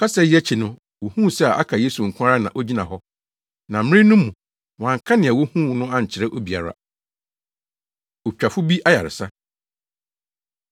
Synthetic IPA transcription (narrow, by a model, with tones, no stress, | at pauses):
kʰa˦sɛ˦jɛ˦t͡ɕʰi˨nʊ̃˦ | wo˨hũ˦˨sɛ˦a˨ʔa̰˦kʰa˨je˦su˨ŋ̩˨kʷʰʊ̃˦a˦ɾa˦nã̰˨ʔo˦d͡ʑi˦nã˨ɦɔ˦ | nã˨m̩˦ɪ̃˦nʊ̃˦mːũ˨ | wɔ̃˨ã˨ŋ˨kʰã˦nɪ̃˨ɛ˨wo˦hũ˦˨nʊ̃˦ã˦ɲ̩˨t͡ɕʰɪ˨ɾɛ˦ʔo˦bi˨a̰˨ɾa̰˦ | o˨t͡ɕᶣa˨fʊ˦bi˦ʔa˦ja̰˨ɾɪ̰˨sa˦